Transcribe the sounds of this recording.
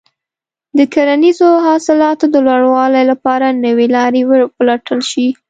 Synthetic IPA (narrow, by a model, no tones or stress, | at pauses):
d̪əkaɾanizoɦɑsɪlɑt̪od̪əlwaɽwɑlajlapɑɾanəwelɑɾewəplaʈʰəlʃi